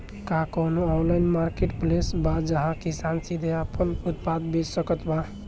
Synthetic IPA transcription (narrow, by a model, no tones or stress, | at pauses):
kakonoɔnlainmaɾkeʈplesbad͡ʒəɦãkisansid̪ʱeəpənut̪̚pad̪bessəkət̪ba